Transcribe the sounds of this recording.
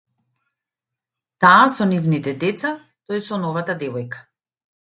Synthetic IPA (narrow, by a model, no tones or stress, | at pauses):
t̪aːsɔnivnit̪ɛd̪ɛt̪sa | t̪ojsɔnɔvat̪ad̪ɛvɔjkḁ